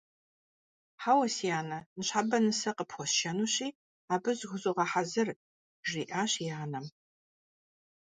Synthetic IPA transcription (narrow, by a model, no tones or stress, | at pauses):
ħaːwɐsijaːnɐnɨɕħabɐnɨsɐqəpxʷɔsʃɐnuːɕiː | aːbɨzɣʷʊzuʁɐħazɐr | ʒiːʔaːɕjaːnɐm